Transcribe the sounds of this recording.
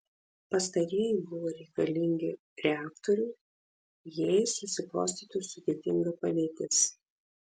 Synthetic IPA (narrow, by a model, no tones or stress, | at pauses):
pɐst̪ɐɾʲiːjɪbʊʋoːɾʲɛɪkɐlʲɪŋʲɡʲɪ | ɾʲɛæːkt̪ɔɾʲʊɪ | jesʊsʲɪplˠoːsʲt̪ʲiːt̪ʲʊsʊd̪ʲeːt̪ʲɪŋɡɐpɐd̪ʲeːt̪ʲɪs